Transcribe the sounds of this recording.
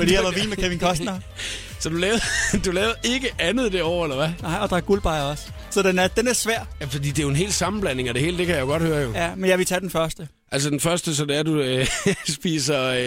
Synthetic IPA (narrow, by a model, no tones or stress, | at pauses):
fɒd̥ḭæʋʋilmekʰæʋinkʰɒ̽sd̥nɐ | sɒ̽d̥ulɛːʊɐd̥ulɛːʊðˠɐʔe̝ɡ̥əʔænð̞̩ˠd̥e̝ɒ̰ʊ̰elɐʋænɑ̈ɪ̰ɒ̽d̥ɑ̈æɐɡ̥ulb̥ɑ̈ɪɐɒ̽s | sɒ̽d̥enæɐd̥enæɐsʋæɐ̰jæfɒd̥ḭːd̥e̝joe̝nɦe̝̰ːld̥sɑ̈mn̩b̥læn̰e̝ŋæɾe̝he̝̰ːld̥e̝kʰæjɑjo̝ɡ̥ɒ̽d̥høːɐjo̝jæmenjæʋet͡sʰɛd̥enfɶɐsd̥ə | ʔæls̬əd̥enfɶɐsd̥əs̬ɒ̽d̥eæɐd̥uøsb̥ḭːsɐ